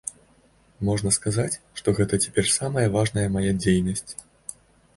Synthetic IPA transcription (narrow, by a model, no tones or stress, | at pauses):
mɔʐnɐskazat͡sʲʂt̪ɔɣɛt̪ɐt͡sʲɛ̥pʲɛrsamɐjɐvaʐnɐjɐmajad͡zʲejnɐsʲt͡sʲ